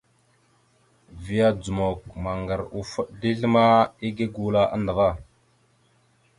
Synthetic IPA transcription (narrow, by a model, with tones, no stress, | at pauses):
vi˨ja˦d͡zu˨mo˨k̚ma˨ŋɡa˨ɾu˦fu˦ɗ̚di˦ɮə˦ma˦i˦ɡe˦ɡu˨la˦ʔa̰˦ndə˨va˦˨